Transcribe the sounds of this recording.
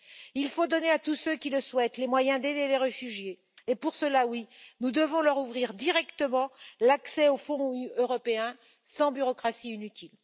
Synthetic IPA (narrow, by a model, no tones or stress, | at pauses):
ilfod̪ɔneat̪usøkʲiləswɛt̪lemwajɛ̃d̪ed̪eleʁəfyʒjeː | puʁsəlawinud̪əvɔ̃lœʁuvʁiʁd̪iʁɛkt̪əmɑ̃laksɛofɔ̃øʁɔpeɛ̃ | sɑ̃byʁɔkχasiinyt̪ʰil